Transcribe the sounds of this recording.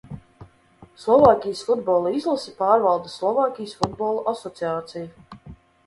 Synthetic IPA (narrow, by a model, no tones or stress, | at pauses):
slˠɔvaːkʲijsfud̪bɔːlˠaizlˠasipaːɾvalˠd̪ɨslˠɔvaːkʲijsfud̪bɔːlˠɔʔasɔt̪siaːt̪sija